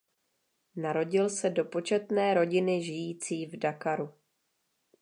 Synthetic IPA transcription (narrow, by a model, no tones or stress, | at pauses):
naɾo̞ɟɪlsɛdo̞po̞t͡ʃɛt̪nɛːɾo̞ɟɪnɪʒɪjiːt͡siːvdakaɾu